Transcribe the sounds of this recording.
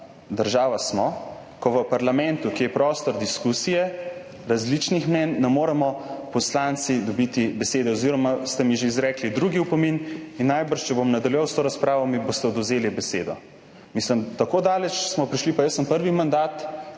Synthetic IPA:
d̪əɾʒaːʋasmɔ | kɔʋəpaɾlamɛnt̪ukijɛpɾɔst̪ɔɾd̪iskusijɛ | ɾazlit͡ʃnixmnɛnːɛmoːɾɛmɔpɔslant̪sid̪ɔbit̪ibɛseːd̪ɛɔziɾɔmast̪ɛmiʒeizɾɛːklid̪ɾuɡiupɔmininːajbəɾʃt͡ʃɛbomnad̪ɐljuʋawst̪oːɾaspɾaːʋɔmibost̪ɛɔd̪ʊzeːlibɛseːd̪ɔ | misləmt̪akod̪aːlɛt͡ʃsmɔpɾiʃlipajəsːəmpəɾʋimand̪aːt̪

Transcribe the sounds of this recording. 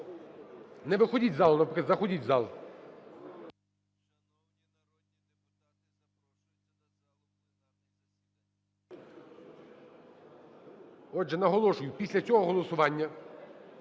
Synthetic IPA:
nɛʋɪxɔdʲitʲzɑlˠʊnɐpɾɪkˠʲzɐxɔdʲitʲzɑlˠ | ɔʒɛnɐɦɔlˠɔʃʊjʊpʲisʲlʲɐt͡sʲɔɦɔɦɔlˠɔsʊʋɑnʲːɐ

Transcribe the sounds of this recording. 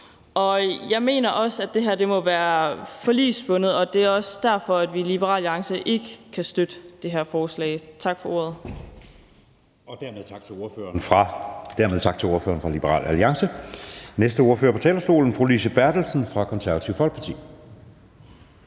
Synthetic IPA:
ʔɒ̽jɑ̈ɪme̝̰ːnɐʔɒ̽sæd̥e̝ɦæɐ̰d̥e̝mɒ̽ʋæːɐfɒ̽lḭːsb̥ɔ̽nð̞̩ˠɒ̽d̥e̝æɐɒ̽sd̥æɐ̰fɒ̽æd̥ʋilib̥əʁɑ̰̈ːlɑ̈ŋsəʔe̝ɡ̥əkʰæsd̥ød̥əd̥e̝ɦæɐfɒːslɛ̰ːɪt͡sʰɑ̈ɡ̥fɒ̽o̝̰ɐ̰ð̞ˠ | ɒ̽d̥æɐmeðˠt͡sʰɑ̈ɡ̥̚t͡sʰe̝lo̝ɐføːɐnfʁɑd̥æɐmeð̞ˠt͡sʰɑ̈ɡ̥̚t͡sʰe̝lo̝ɐfø̰ːɐnfʁɑ̈lib̥əʁɑ̰̈ːlæliɑ̈ŋsənesd̥əo̝ɐføːɐpʰɒ̽t͡sʰɛ̰ːlɐsɡ̥o̝̰ːln̩pʰʁolisəb̥æɐd̥l̩sn̩fʁɑ̈kʰɒ̽nsæɐʋæt͡sʰiʊfɒ̽lɡ̥̚pʰɑ̈t͡sʰḭː

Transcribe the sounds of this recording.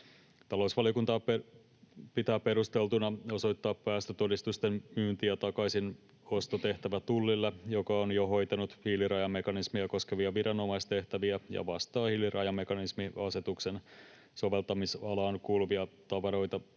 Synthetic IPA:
t̪ɑlo̞usʋɑliokunt̪ɑːpe | pit̪æːppːe̞ɾust̪e̞lt̪unɑo̞so̞jt̪ːɑːppæːst̪øt̪o̞dist̪ust̪emmyːnt̪iæt̪ɑkɑisin | o̞st̪ot̪e̞ht̪æʋæt̪ulːilːejo̞kɑonjoɦo̞jt̪ɑnut̪hilirɑjɑmːe̞kɑnismiæko̞skeʋiɑʋiɾɑno̞mɑist̪e̞ht̪æʋiæjɑ̰ʋɑst̪ɑːhilːirʔɑjɑmːe̞kɑnismiɑse̞t̪uksen | so̞ʋe̞lt̪ɑmisɑlɑːnkuːluʋiɑt̪ɑʋɑɾo̞jt̪ɑ

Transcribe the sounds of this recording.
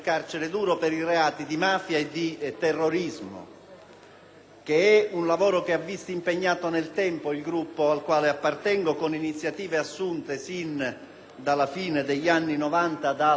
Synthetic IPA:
kart͡ʃeɾed̪uːɾopɛɾireaːt̪id̪imaːfjaed̪it̪ɛrːoɾizmo̰ | k̟eɛunlavɔːɾokeavːist̪impeɲːaːt̪onelt̪ɛmpoilɡɾupːoalkwaːleapːart̪ɛŋɡokoninit̪sːjat̪iːveasːunt̪esin | d̪alafiːned̪eʎːanːinɔvant̪ad̪a

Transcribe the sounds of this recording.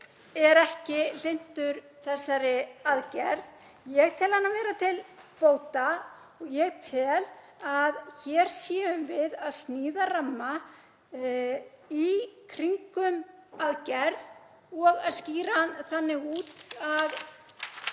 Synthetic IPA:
ɛɾɛhcɪl̥en̥t̪ʏɾ | θɛsːaɾɪaðcɛɾð | jɛɣt̪ʰɛːlhanːavɛːɾat̪ʰɪlpoːwt̪a | ɔɣjɛɣt̪ʰɛːl | aðçɛːɾ̥sjiːʏmvɪðaðst̪niːðaramːa | ikʰɾiŋkʏmaðcɛɾð | ɔɣaðsciːɾanθanːɪɣuːt̪að

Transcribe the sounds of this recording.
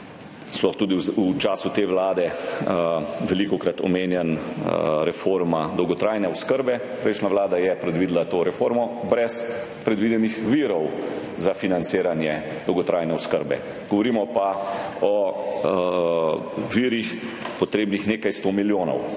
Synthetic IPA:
splɔxt̪uːd̪iut͡ʃaːsut̪eːʋlaːd̪ɛ | ʋɛlikɔkɾat̪ɔ̰meːnjɛn | ɾɛfoɾmad̪ɔwɡɔt̪ɾaːjnɛɔskəɾbɛ | pɾɛijʃnaʋlaːd̪ajɛpɾɛd̪ʋiːd̪lat̪oːɾɛfoɾmɔbɾɛs | pɾɛd̪ʋid̪ɛnixʋiɾɔw | zafinant̪seːɾanjɛ | d̪̥ɔwɡɔt̪ɾʔajnɛɔskəɾbɛ̰ | ɡ̥ɔʋɔɾiːmɔpaɔ | ʋiɾixpɔt̪ɾeːbnixneːkajst̪oːmiljoːnɔ̰w

